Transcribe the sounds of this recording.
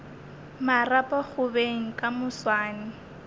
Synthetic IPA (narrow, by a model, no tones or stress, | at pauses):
marapʼak͡xʊbeŋ̩kʼamʊswaːnɪ